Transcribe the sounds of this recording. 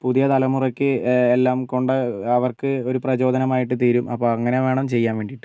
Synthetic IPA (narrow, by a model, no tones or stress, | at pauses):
puðijɐt̪ɐlɐmurɐkʲːɨelːaːmko̞ɳɖɨɐʋɐrkɨo̞ɾuprɐt͡ɕo̞ːd̪ʱɐnɐmaːjiʈ̬ːɨt̪iːɾumɐ̰pːo̞ːɐŋːɐne̞ʋe̞ːɳɐmt͡ɕe̞jːaːnʋe̞ːɳɖiʈːɨ